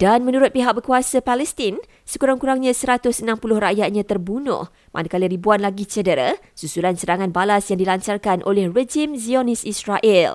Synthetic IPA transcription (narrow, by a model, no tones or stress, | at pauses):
d̥anmə̃nuɾʊt̪̚piɦak̚bəkuasapalɛst̪ɪn | səkuɾaŋkuɾaŋɲãsəɾat̪ʊsənãmpulʊhraʔjat̪̚ɲãt̪ərbunʊ̰h | mʔa̰nakaliɾibuanlaɡit͡ʃədəɾə̰ | susulansəɾaŋãnbalasjaŋdilaɲt͡ʃarkanʔo̰lɛhred͡ʒimzionisisraʔɛl